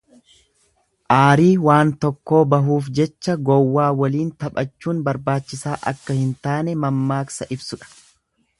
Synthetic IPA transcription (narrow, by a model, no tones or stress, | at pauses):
ʔaːɾiːwaːnt̪ɔkːo̞ːbɐɦuːfd͡ʒɛt͡ʃːɐɡɔwːaːwɐliːnt̪ɐpʼɐt͡ʃːuːnbɐɾbaːt͡ʃːɪsaːʔɐ̰kːɐhɪnt̪aːnɛmɐmːaːksɐʔɪbsʊᶑɐ̥